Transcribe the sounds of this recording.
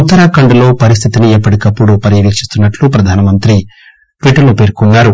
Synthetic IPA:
ut̪ːɐɾakɐɳɖulo̞ːpɐɾis̬t̪ʰit̪iniepːɐɽikɐpːuɽupɐɾjɐlikt͡ʃist̪unːɐʈlupɾɐd̪ʱaːnɐmɐnt̪ɾi | ʈʋiʈɐɾnupe̞ːɾkunːaːɾu

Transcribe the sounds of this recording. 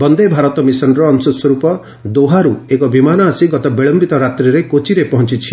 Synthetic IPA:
bɔnd̪ebʱaɾɔt̪ɔmisɔnɾɔːnsɔswɔɾupɔ | d̪oɦaɾuekɔbimanɔasiɡɔt̪ɔbiɭɔmbit̪ɔɾat̪ɾiɾekot͡ʃiɾepɔɦɔ̃nt͡ʃit͡ʃʰi̥

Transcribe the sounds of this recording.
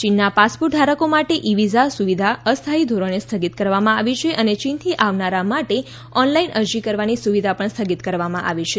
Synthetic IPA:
t͡ʃinːapaspuɾʈ̚ɖʱaɾəkomaʈeʔiʋizasuʋid̪ʱaəst̪ʰaid̪ʱoɾonest̪ʰəɡit̪kəɾʋamãaʋit͡ʃʰeʔənet͡ʃint̪ʰiʔaʋnaɾamaʈe | ɔnlainʔəɾd͡ʒikəɾʋanisuʋid̪ʱapəɳst̪ʰəɡit̪kəɾʋamãʔa̰ʋit͡ʃʰe

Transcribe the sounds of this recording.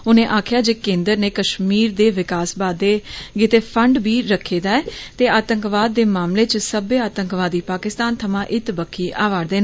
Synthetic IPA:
ʊnẽːʔaːkʰjaːd͡ʒeːkẽːnd̪əɾneːkəʃmiːɾd̪eːʋɪkaːsbaːd̪ːeːɡɪt̪eːpʰəɳɖbiːɾəkʰːeːd̪aːɛːt̪eːaːt̪əŋkʋaːd̪ːeːmaːmleːt͡ʃsəbeːaːt̪əŋkʋaːd̪iːpaːkɪst̪aːnt̪ʰəmãːʔɪt̪bəkʰːiːʔaːʋaːɾd̪eːn

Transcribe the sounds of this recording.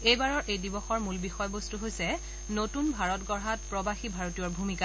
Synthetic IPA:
ejbaɹɔɹʔejdibɔxɔɹmulbixɔjɔbostuɦojsɛ | notunbʱaɹɔtɡɔɹɦatpɹɔbaxibʱaɹotijɔɹbʱumika

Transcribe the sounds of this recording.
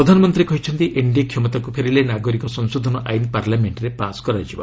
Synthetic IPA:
ɾɔd̪ʱanɔmɔnt̪ɾiekɔɦit͡ʃʰɔnt̪iʔeɳɖikʰjɔmɔt̪akupʰeɾilenaɡɔɾikɔsɔnsod̪ʱɔnɔʔa̰jnpaɾlameɳʈɾepaskɔɾad͡ʒʰiba̰

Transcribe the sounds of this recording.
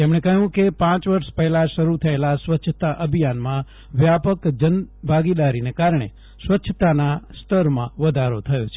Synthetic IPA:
t̪emɳ̃ekəɦũkepãt͡ʃʋəɾʃpəɦɛlaʃəɾut̪ʰəelasʋətːʃʰət̪aʔəbʱijanmã | ʋjapəkd͡ʒənbʱaɡid̪aɾinekaɾɳ̃ḛ | sʋətːʃʰət̪anast̪ʰəɾmã̰ʋəd̪ʱaɾot̪ʰəjot͡ʃʰe

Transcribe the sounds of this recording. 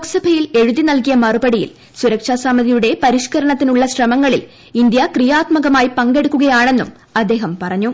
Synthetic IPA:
oksɐbʱɐjile̞ɻuðinɐlkijɐmɐrubɐɽijḭl | suɾɐkʂaːsaːmːɐðʱijuɽe̞pɐɾiʂkɐɾɐɳɐt̪ːinuɭːɐɕrɐmɐŋːɐɭḭl | ind̪jɐkrijaːt̪mɐɣɐmaːjpɐŋɡe̞ɽukːuɣɐjaːɳe̞nːum | ɐd̪ːe̞ːɦɐmpɐrɐɲːu

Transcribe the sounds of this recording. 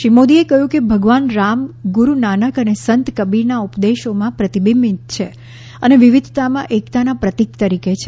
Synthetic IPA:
ʃimod̪iekəɦjũkebʱəɡʋanɾamɡuɾunanəkənesənt̪kəbiɾnaupd̪eʃomãpɾət̪ibimit̪̚t͡ʃʰe | əneʋiʋid̪ʱt̪amãʔekt̪anapɾət̪ikt̪əɾiket͡ʃʰe

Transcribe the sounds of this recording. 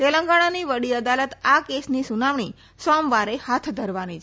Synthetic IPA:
t̪eləŋɡaɽ̃aniʋəɽiəd̪alət̪akesnisunaʋɳ̃i | sɔmʋaɾehat̪ʰd̪ʱəɾʋanit͡ʃʰ

